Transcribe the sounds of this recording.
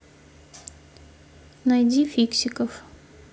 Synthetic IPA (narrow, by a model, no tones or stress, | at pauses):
nɐjdʲifʲiksʲɪkəf